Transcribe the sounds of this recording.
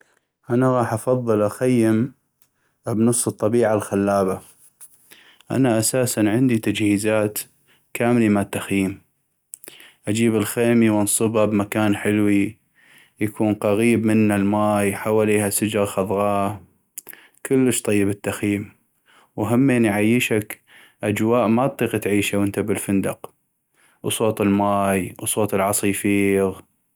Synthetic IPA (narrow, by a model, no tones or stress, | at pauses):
ʔanaɣɑːħʔɑfɑðˤːɨlʔaxajːɪm | bnɨsˤːɨt̪ˤːɑbiːʕalxalːaːba | ʔa̰naʔasaːsanʕɪnd̪it̪ad͡ʒhiːzaːt̪ | kʰaːmlimat̪ːaxjiːm | ʔad͡ʒiːbɪlxeːmiwnsˤɨbabmakaːnħɪlwi | jakʰuːnqɑɣiːbmɪnːalmaːjħawaːliːhasɪd͡ʒɾxɑðˤɣɑː | kʰəlːəʃt̪ˤɑjːɪbɪt̪ːaxjiːm | waɦamːeniʕajːəʃak | ʔad͡ʒwaːʔmat̪ˤːiːqt̪ʕiːʃawənt̪abɪlfɪnd̪ɑq | wsˤoːt̪ˤɪlmaːjwsˤoːt̪ˤɪlʕɑsˤijfiːɣ